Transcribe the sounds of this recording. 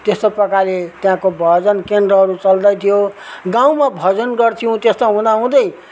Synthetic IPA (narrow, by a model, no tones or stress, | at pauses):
t̪est̪opʌkalet̪jãkobʱʌd͡zʌnkendrʌɦʌɾut͡sʌld̪ʌjt̪ʰijoɡãw̃mabʱʌd͡zʌnɡʌrt̪ʰiũt̪est̪aɦũd̪aɦũd̪ʌj